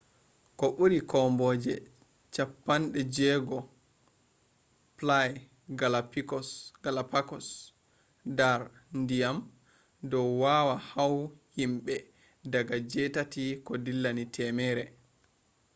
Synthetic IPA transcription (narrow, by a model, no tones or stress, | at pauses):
kɔɓuɾikɔmbɔd͡ʒɛ | t͡ʃapːanɗɛd͡ʒɛːɡɔ | plaj | ɡalapikɔsɡ̥alapakɔs | daɾ | ndijam | dɔwwawahawhimɓɛ | daɡad͡ʒɛtatikɔdilːanitʰɛmɛɾɛ